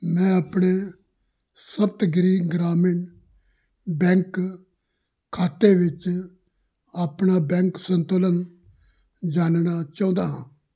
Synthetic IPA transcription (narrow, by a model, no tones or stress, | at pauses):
mɛ̃ːaːpɳe | səbt̪ɡɾiːɡɾaːmɪɳ | bɛ̃ːŋk | kʰːaːt̪ːeːʋɪt͡ʃ | aːpɳaːbɛ̃ːŋksənt̪oːlən | d͡ʒaːnnaːt͡ʃaːʊ̃nd̪aːɦã̰ː